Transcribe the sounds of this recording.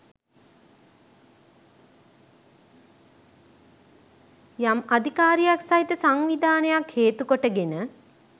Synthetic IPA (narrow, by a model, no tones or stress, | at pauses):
jamad̪ʱikaːɾijaksaɦit̪əsaŋʋid̪aːnəjakheːt̪ukoʈəɡenə